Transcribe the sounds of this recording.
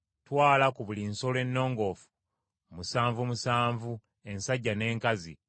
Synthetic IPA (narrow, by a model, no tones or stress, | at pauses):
twaːlakuβulinsole̞nːo̞ːŋɡo̞fu̥ | omusaːɱvumusaːɱvu | e̞nsaɟːane̞ːŋkazḭ